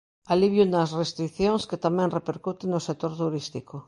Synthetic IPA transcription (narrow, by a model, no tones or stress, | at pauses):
aliβjunasrest̪ɾikθjoŋsket̪amẽnrepeɾkut̪eŋosek̚t̪oɾt̪uɾist̪iko